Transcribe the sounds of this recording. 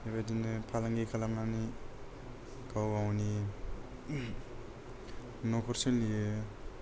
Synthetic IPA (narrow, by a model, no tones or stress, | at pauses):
eβajdinɯpʰalaŋɡikʰalamnani | kawawni | nɔkʰɔɾsenlijɯ